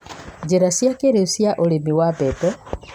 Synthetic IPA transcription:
d͡ʒeɾasjakeɾesjaʔoɾemiwapɛtɛ

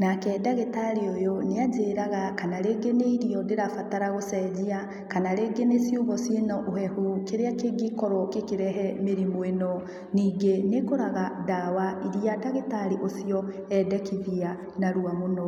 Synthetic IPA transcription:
nakɛdaɣetaɾiojoneaɟeɾaɣakanaɾeːɡeneiɾiɔdeɾafataɾaɣosɛd͡ʑia | kanaɾeːɡenesjuβɔsenɔʔohɛhukeɾeakeɡikɔɾɔkekeɾɛɦɛmeɾimoenɔ | niːɡenekoɾaɣadawaiɾiadaɣetaɾiʔosijɔ | ɛdɛkiðia | naɾuamonɔ

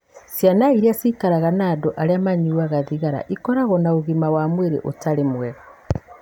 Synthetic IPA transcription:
sjanaiɾiasikaɾaɣanaːdoʔaɾeamaɲiwaɣaðiɣaɾa̰ʔikɔɾaɣɔnaoɣimawamweɾḛʔo̰taɾemwɛɣɔ

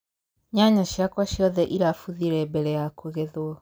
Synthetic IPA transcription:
ɲaɲaɕjakwaɕjɔðɛʔiɾafuðiɾɛbɛɾɛjakuɣeðwɔ

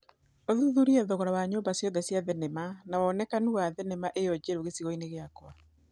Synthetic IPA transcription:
oðuðuɾiɛðoɣɔɾawaɲoːmbasjɔnðɛsjaðɛnɛmanaɔnɛkanuwaðɛnɛmaʔejɔd͡ʑeɾoɣesiɣɔineɣeakwa

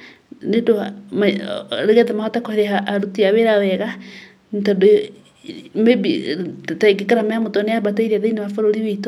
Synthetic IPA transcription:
nedomaɾeɣɛðɛmahɔtakɔhɾeaːɾutiaweɾawɛɣa | ntado | mebḭtaeɡekaɾamɛamotɔneabataiɾiaðeinewafoɾoɾiweito

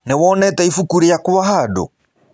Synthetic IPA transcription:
newɔːnɛtɛifukuɾejakowahado̰

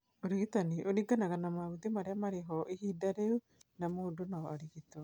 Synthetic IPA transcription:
oɾiɣit̪aniʔoniɡanaɣanamaut̪emaɾeamaɾeɦɔʔehidaɾeu | namoːdonaɔaɾiɣitɔ

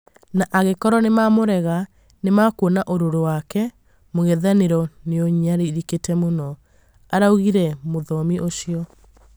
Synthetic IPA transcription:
naʔaɣekɔɾɔnemamoɾɛɣa | nemakwonaʔoɾoɾowakɛ | moɣɛðaneɾɔneɔɲaɾeiɾiketɛmonɔ | aɾauɣiɾɛmoðɔmiʔoɕiɔ

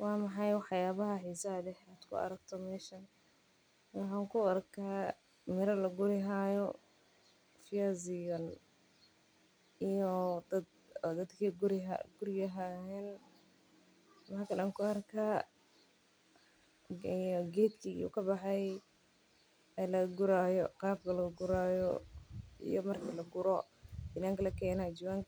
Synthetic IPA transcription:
wɑːmɑħɑjwħjaːβɐɦɐħisɐlɛħaːd̪̥kʰʊ̰ɐ̰ɾɐɡ̚t̪ʰɔmɛːʃɐn | wɑħaːŋkʰʊɐɾkʰaː | mɪɾɐlɐɡʊɾɪɦaːjɔ | fɪjazɪjɔn | ijɔd̪ɐd̪ | d̪ɐd̪kʰiːɡʊɾɪɦɡʊɾɪɡɐɦahɛːn | mɐkʰɐlɐŋkʰʊɐrkʰaː | ijɔɡɛːd̪kʰiṵkʰɐbɑħɛj | ɛlɐɡʊɾaːjɔqɑːb̚kʰɐlɐɡʊɾaːjɔ̰ | ḭjɔmɐrkʰɐlɐɡʊɾɔɪnaːŋkʰɐlɐkʰɛːnad͡ʒɪwaːŋkʰ

